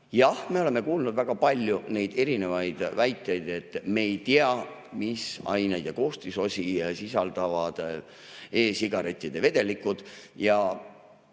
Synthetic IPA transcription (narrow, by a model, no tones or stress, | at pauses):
jɑhme̞o̞le̞mːe̞kuːlnud̪̥væɡ̥ɑpɑlʲːjune̞jd̪̥e̞ɾine̞vɑjd̪̥væjt̪ːˑjejd̪̥e̞t̪ːˑme̞ːjt̪iɑmisɑ̰jnejd̪jɑko̞ːst̪iso̞sʲisisɑld̪ɑvɑd̪̥ | e̞ːsiɡ̥ɑɾe̞t̪ʲːˑid̪̥e̞ve̞d̪e̞likːud̪̥jɑ